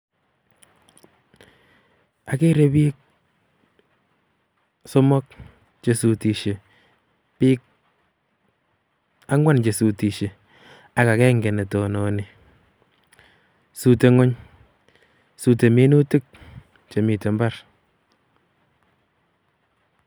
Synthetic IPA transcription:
a˨ke˦ɾe˨˦bi˦k̚ | sɔ˦mɔ˦k̚ | t͡ʃe˨su˨ti˨ʃe˨ | pi˦k̚ | a˦ŋwa˦nt͡ʃe˨su˨ti˨ʃe˨ | a˨ka˨kɛː˦ŋɡɛ˨ne˨tɔ˨nɔ˨ni˨ | su˨te˨ŋo˦ɲ | su˨te˨me˦nu˦ti˦k̚ | t͡ʃe˨mi˨te˨mba˦ɾ

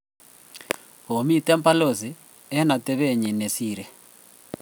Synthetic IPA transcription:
ɦo˨mi˦tɛ˦mpa˦lo˨zi˨ | ɛ˦na˨tɛ˦βe˦ɲi˨nɛ˨siːɾɛ˨

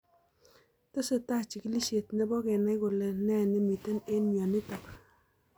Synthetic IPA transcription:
to˦se˨ta˦t͡ʃi˨ki˦li˦ʃe˨tnɛ˦bɔ˦kɛ˨nɛ˦kʊ˨le˨nɛ˦˨ne˦mi˨te˦ne˦nmjɔ˨nɪ˦tɔ˨k

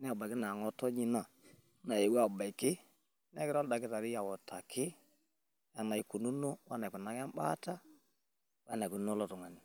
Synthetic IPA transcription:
nɛ˦a˨ba˨ki˦na˨ŋɔ˦tɔ˦ɲi˦na˨ | na˨je˨wa˦˨ba˨i˨kɪ˦ | nɛ˦kɪ˦ɾɔ˦lda˨ɡi˦ta˨ɾi˦ja˨wɔ˨ta˨kʰɪ˦ | ja˨na˨i˨ku˨nu˦no˦wa˦na˨u˨na˨˦kɛ˦mba̰˦ta˦ | wa˦na˨ku˨˦no˦lo˦tu˨ŋa˨ni˨

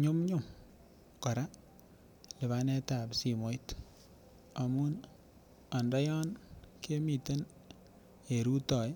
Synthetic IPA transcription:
ɲʊ˦mɲʊ˦m | kɔ˨ɾa˦ | lɪ˨βa˦nɛ˦ta˨psi˨mo˨jt | a˨mu˦n | a˨ndɔ˦jɔ˦nke˦mi˨te˦n | e˨ɾu˦tɔ˨j

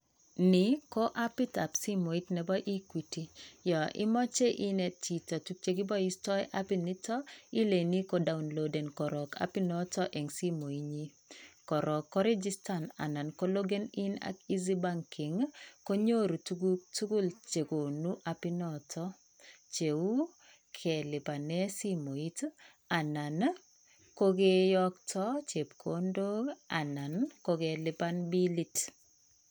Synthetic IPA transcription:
nɪ˨ko˦ʔa˦pi˦ta˨psi˦mo˨i˦tnɛ˨bɔ˦ʔi˦kwi˨ti˨jɔ˨ʔɪ̰˦mɔ˦t͡ʃe˦ʔi˦nɛ˨ti˨tɔ˨tu˦k̚t͡ʃe˦ɡɪ˦bɔ˦i˦stɔ˦jʔa˦pini˦tɔ˦i˦le˨ni˦ko˦da˦˨unlo˨dɛ˨nkɔ˨ɾɔ˨ka̰˦pi˦nɔ˦tɔ˦ʔɛ˨ŋsi˦mo˨i˦ɲi˦ | kɔ˨ɾɔ˨kːɔ˦ɾɛ˦d͡ʒi˦sta˦na̰˨na˨nko˦lo˦ɡe˦nɪ˦na̰˦ki˦zi˦ba˦ŋkɪ˨ŋko˦ɲo˦ɾtu˦ɡu˦lt͡ʃe˨ko˨nu˦ʔa˨pi˦nɔ˨tʰɔ˦ | t͡ʃe˨u˦ | kʰɛ˨lɪ˨pa˨ne˦si˦mo˨i˦t | a˨na˨n | ko˦ɡe˦jɔ˦ktʰɔ˦t͡ʃe˨pkʰo˦ndo˦ɡa˨na˨nko˦ɡe˦lɪ˦pa˦nbi˦li˦t

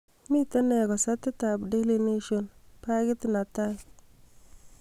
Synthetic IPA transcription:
mi˦ta˦nɛ˨ɡɔ˨sa˦tːɪ˦ta˨bde˦li˦ne˦ʃo˨npa˦ɡɪ˦tɪ˦na˨ta˦

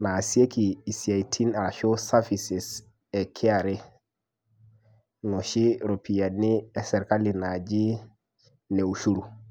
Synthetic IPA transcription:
na˨si˦e˦kiː˨si˨a˨itʰi˦na˨ɾa˨ʃo˦sa˦fisɛ˨s | ɛ˨kʰi˦a˨ɾɛ˦ | no˨ʃi˦ɾo˨pʰi˨ja˨nːi˦ɛ˨sɛ˨ɾka˦lina˨d͡ʒi˦ | ne˨u˨ʃu˦ɾu˨

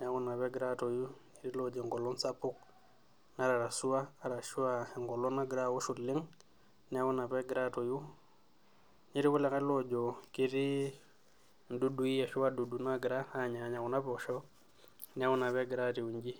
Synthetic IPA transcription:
n˦a˦ku˦na˨βɛ˦ɡɾa˦to˨ju˦ɲi˦ɾi˦lo˦d͡ʒɔ˨ŋɡɔ˨lɔ˦nsa˦pu˦k̚ | na˦ɾa˨ɾa˨su˦wa˦a˦˨ɾa˨ʃu˦wa˦e˨ŋɡɔ˨lɔ˦na˦ɡɾa˦˨wo˦ʃu˨li˦ŋ | ni˦a˦ku˦na˨pɛ˦ɡi˨ɾa˦to˨ju˦ | ɲi˦ɾi˦ku˦le˨kɛ˦lo˦d͡ʒo˨ki˦ɾi˦ | ndu˦du˨˦i˦a˨ʃu˦wa˦du˨du˨na˦ɡi˨ɾa˦a˦ɲa˨ɲa˨ku˨na˦po˨ʃɔ˦ | ni˦a˦wu˦na˨βe˦ɡi˨ɾa˦ti˨u˨ɲd͡ʒi˦

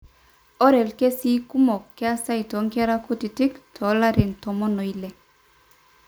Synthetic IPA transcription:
ɔ˦ɾɛ˨lke˦si˦ku˦mɔ˨kːɛ˦a˦sa˦jtɔ˨˦ŋkɛ˦ɾa˦ku˦ti˨ti˦ktʰɔ˨˦la˦ɾɪ˨ntɔ˨mɔ˦nɔ˨i˦lɛ˨

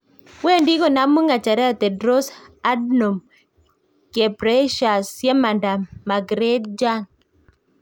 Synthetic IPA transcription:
we˦˨ndi˦kɔ˨na˨˦mu˦ŋa˨t͡ʃa˨ɾɛ˦a˨t̪ɛ˨dɾo˦sa˦dnɔ˨m | ke˨pɾɛ˦ʃa˨sjɛ˦ma˨nda˨ma˨ɡɾe˦d̚d͡ʒa˦n

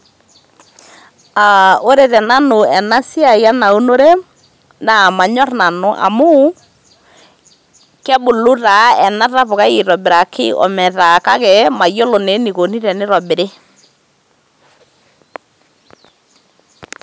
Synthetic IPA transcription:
a˨o˦ɾe˨ðɛ˨na˦nʊ˨ɛ˨na˦si˦a˨ja˦na˨u˦no˦ɾe˦ | na˨ma˨ɲɔ˦ɾna˨no˨ʔa̰˨mʊ˦ | kɛ˦bʊ˨lʊ˦ɾa˨ɛ˨na˦ɾa˦βʊ˨ka˦i˨ɾɔ˨bɪ˨ɾa˨kʰɪ̰˦ʔɔ̰˨mɛ˨ða˨ka˦kɛ˨ma˨jo˦lo˨ne˨˦ni˨ko˨ni˦ɾɛ˨nɪ˦ɾɔ˨bɪ˨ɾe˦

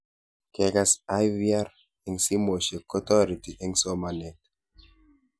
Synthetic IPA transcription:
kɛkasajvia˦ɾ | ɛ˨ŋsi˦mo˨ʃe˨kɔ˦t̪ɔ˦ɾi˨ti˨ʔɛ˦ŋsɔ˦ma˨nɛ˨t

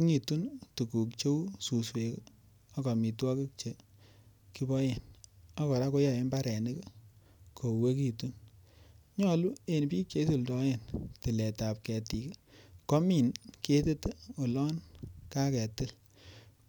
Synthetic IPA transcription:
ŋi˨tu˦ntu˨ku˨k̚t͡ʃo˦su˨swe˨k | ɔ˦kɔ˨mi˨twɔ˦ke˦k̚t͡ʃe˨ | ki˦bɔ˦je˨nɔ˦kɔ˨ɾa˦ko˦jɔ˨e˦nba˦ɾɛ˨nɪ˦k | kʰo˨we˦k̬i˨tu˦n | ɲɔ˦lu˦e˨npi˦ke˦su˨ldɔ˦je˨nti˨le˨ta˨p̚kɛ˨ti˨kko˦mi˨nke˦te˦te˦o˨lɔ˦nka˦kɛ˨tɪ˦l

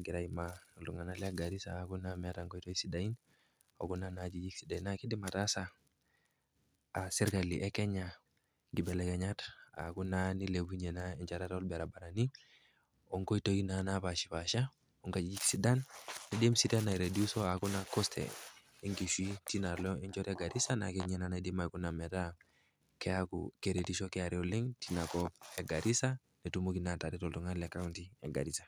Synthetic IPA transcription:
ɡi˨ɾa˦i˨malu˨ŋa˨na˦lɛ˦a˦ɡa˨ɾi˦sa̰ː˨ku˦na˦mɛ˨a˦ta˨ŋko˦i˦to˦i˦si˨da˨i˦n | o̰˨ku˦na˦nad͡ʒi˨d͡ʒi˦ksi˨da˨inaki˦di˦ma˨ta˦sa˨ | a˨si˦ɾka˨li˨ʔɛ˦kɛ˦ɲa | ŋɡi˨bɛ˨lɛ˨kɛ˨ɲa˦ta̰˨ku˦na˦ni˦le˨bu˦ɲe˨nai˨ɲt͡ʃa˨ɾa˦to˦lbɛ˨ɾa˨ba˨ɾa˨ni˦ | ɔ˨ŋko˦i˦to˦i˦na˨napa˨ʃi˨pa˨ʃa˦ | ɔ˨ŋka˦d͡ʒi˦d͡ʒi˦ksi˨da˦nːi˨ɗe˦msi˦da˦na˨i˨ɾe˨diu˦sɔ˦a˨ku˦nakɔ˦stʰɛ̰ | i˦ŋki˨ʃwi˦ti˦na˨lɔ˦ɛ˦ɲd͡ʒɔ˦ɾɛɡa˨ɾi˦sana˨kɛɲɛ˦nana˨i˦de˦ma˨ku˦na˨mɛ˨ta˦ | kɛ˦a˦kṵ˨ke˨ɾe˨ti˦ʃɔ˦kɛ˦a˨ɾi˦ɔ˨li˦ŋtina˨kɔɛɡa˨ɾi˦sa˦ | nɛ˨tumu˦ki˨na˨ta˨ɾitɔ˨ltu˨ŋa˦lɛ˨ka˦u˦nti˦ɛ˨ɡa̰˨ɾi˦sa˨

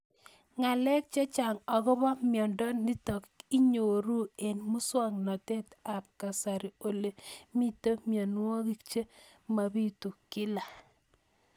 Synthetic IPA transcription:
ŋa˨lɛ˦k̚t͡ʃe˦t͡ʃa˨ŋɔ˨kɔ˦bɔ˦mjɔ˨ndɔ˦ni˦tɔ˨ki˦ɲo˨ɾu˦e˨nmu˦swa˦˨ŋnɔ˨te˦ta˨p̚ka˨sa˨ɾi˨o˨le˨mi˦to˦mjɔ˨n˦wɔ˦ki˦kt͡ʃe˦ | ma˨bi˦tu˨kɪ˦la˨

